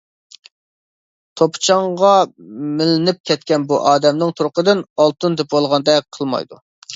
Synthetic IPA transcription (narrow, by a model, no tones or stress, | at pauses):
t̪ʰopt͡ʃʰɑŋʁɑmɪlɪnɪp̚kʲʰɛt̪kʲɛnbuʔɑːd̪ɛmnɨŋt̪ʰuɾʊqəd̪ɪnɑlˠt̪ɨnd̪ɛpwolˠʁɑnd̪ɛqʰəlˠmɑ̰jd̪u